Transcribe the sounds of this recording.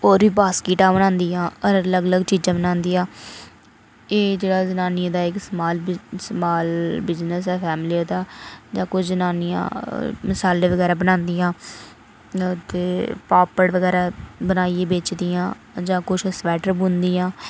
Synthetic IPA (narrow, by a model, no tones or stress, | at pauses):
oːɾʋiːbaːskiːʈaːbənãːnd̪ijãːəɾləɡələɡt͡ʃiːd͡ʒãːbənãːnd̪iːãː | eːd͡ʒeːɽaːzənaːnɪjãːd̪aːɪksmaːlsmaːlbɪznəsɛːpʰɛːmliːaːd̪aːd͡ʒãːkʊt͡ʃʰzənaːnɪjã̰ːmɪsaːleːʋəɡɛːɾaːbənãːnd̪ijãː | t̪eːpaːpəɽʋəɡɛːɾaːbənaːieːbeːt͡ʃd̪ijãː | d͡ʒãːkʊt͡ʃʰsʋɛːʈəɾbũːnd̪iːãː